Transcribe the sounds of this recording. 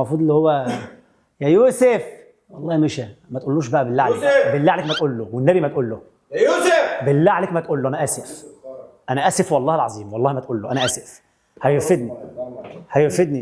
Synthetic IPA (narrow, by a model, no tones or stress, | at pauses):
mɑfɾuːd̪ˤelːihowːæ | jæjuːsef | wɑlˤːɑːhimeʃæmæt̪ʔolːuːʃ̬bæʔæbelːaʕlekbelːæːʕlekmæt̪ʔuːlːowenːæbimæt̪̚ʔuːlːoh | belːæʕleːkmæt̪ʔuːlːoʔænæʔæsef | ʔænæʔæsefwɑlˤːɑːhelʕɑzˤiːmwɑlˤːɑːhimæt̪ʔuːlːoʔænæʔæsef | hæjofed̪ni | hæjofed̪ni